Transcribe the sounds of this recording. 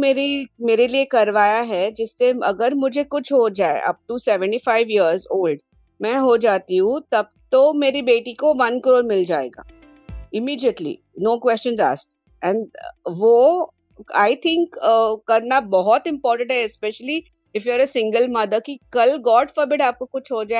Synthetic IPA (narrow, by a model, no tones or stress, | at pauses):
meːɾimeːɾeliekɐɾʋaːjaɦɛd͡ʒɪsːeɐ̰ɡəɾmʊd͡ʒʱekʊt͡ʃʰɦod͡ʒaːḛʔɐ̰p̚ʈusɛʋə̃ɳʈifaɪʋiəɾzoːlɖ | mɛ̃ɦod͡ʒaːt̪iɦũt̪ɐb̚t̪omeːɾibeːʈikoʋɐ̃nkɾoːɾmɪld͡ʒaːḛːɡa̰ː | ɪmiːɖiəʈlḭ | noːkʋɛst͡ʃə̃nza̰ːsʈ | ɛ̃ɳɖʋo | a̰ːɪt̪ʰɪ̃ŋkːkɐɾnabɔɦɔt̪ɪ̃mpɔːɾʈə̃ɳʈɦɛɛspɛʃəli | ɪfjuəɾəsɪ̃ŋɡəlmɐd̪əkikɐlɡɔːʈfəɾbɪɖaːp̚kokʊt͡ʃʰɦod͡ʒaːe